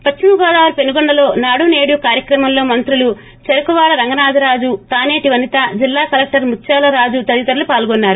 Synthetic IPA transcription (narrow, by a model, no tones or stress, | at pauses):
pɐt͡ʃːimɐɡɔːd̪aːʋɐɾupenuɡɔɳɖɐlo̞ːnaːɽuneːɽuːkaːɾjɐkɾɐmɐmlo̞ːmɐnt̪ɾulu | t͡ʃeɾɐkuʋaːɽɐɾɐŋɡɐnaːd͡ʒɐɾaːd͡ʒut̪aːne̞ːʈiʋɐnit̪ɐd͡ʒilːaːkɐlek̚ʈɐɾmut͡ʃːaːlɐɾaːd͡ʒut̪ɐd̪it̪ɐɾlupaːlɡɔnːaːɾu